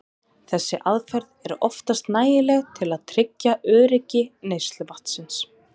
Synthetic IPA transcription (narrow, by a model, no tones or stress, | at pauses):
θɛsːɪʔaðfɛɾðɛɾɔft̪ast̪naːjɪlɛɣt̪ʰɪlaðt̪ʰɾɪcːaœːɾɪcɪneːjst̪lʏvaht̪sɪns